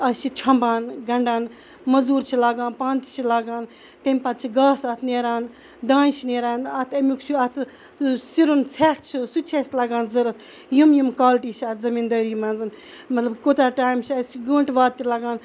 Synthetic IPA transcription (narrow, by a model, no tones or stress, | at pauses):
ɐʃʰit͡ʃʰɐ̃mbaːnɡɐɳɖaːn | mɐzuːɾt͡ʃʰilaːɡaːnpaːnt̪t͡ʃʰilaːɡaːn | t̪ɐmʲpɐt̪̚t͡ʃʰiɡaːsɐt̪ʰneːɾaːn | d̪ãːnt͡ʃʰineːɾaːnɐt̪ʰɐmʲukt͡ʃʰuɐt̪ʰ | siɾunt͡sʰeːʈʰt͡ʃʰisut͡ʃʰesʲlaːɡaːnzɐɾɐt̪ʰ | jumjumkaːlʈiːt͡ʃʰɐːt̪ʰzɐmiːnd̪ɐːɾiːmɐnzɨn | mɐt̪lɐbkot̪aːʈaːjmt͡ʃʰɐsiɡəɳʈʋaːd̪̚t̪ilaːɡaːn